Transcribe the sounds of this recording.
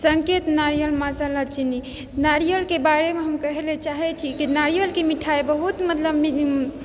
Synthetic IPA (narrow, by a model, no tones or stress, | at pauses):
səŋket̪naɾijəlmasalat͡ʃini | naɾijəlkebaɾemeɦəmkəɦelet͡ʃaɦɛt͡ʃʰikinaɾijəlkemiʈʰaebəɦut̪mət̪ləbmi